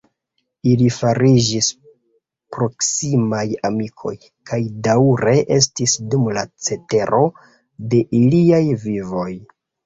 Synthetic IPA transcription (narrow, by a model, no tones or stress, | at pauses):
ilifaɾid͡ʒis | pɾo̞ksimajamikʰo̞̰j | kajdauɾe̞ʔe̞s̬tisdumlat͡se̞te̞ɾʔo̞ | de̞ʔiliajvivo̞j